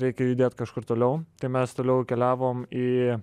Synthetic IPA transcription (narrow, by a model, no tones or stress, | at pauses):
ɾʲɛɪkʲɛjuːd̪ʲeːt̪kɐʃkʊrt̪oːlʲɛʊt̪ɐɪmʲɛst̪oːlʲɛʊkʲɛlʲæːʋoːmiː